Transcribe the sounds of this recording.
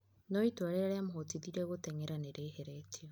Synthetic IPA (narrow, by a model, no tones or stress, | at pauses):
nɔitwaɾeɾeɾeamoɦotiðiɾɛɣotɛŋɛɾaneɾeheɾɛtʰio